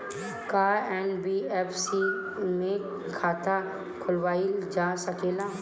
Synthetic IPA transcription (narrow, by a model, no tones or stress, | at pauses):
kaːɛːnbiːɛːpʰsi | mẽ | kʰaːt̪ʰa | kʰʊlʋaːid͡ʒaːsəkeːlaː